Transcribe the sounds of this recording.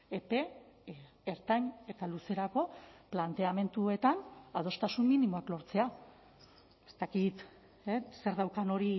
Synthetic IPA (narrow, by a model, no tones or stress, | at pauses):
epe̞ | eɾt̪aɲe̞t̪aluse̞ɾako̞plant̪e̞ame̞nt̪ue̞t̪anað̞o̞st̪asumminimo̞aklo̞ɾt͡se̞a | est̪akit̪ | ese̞ɾðawkano̞ɾi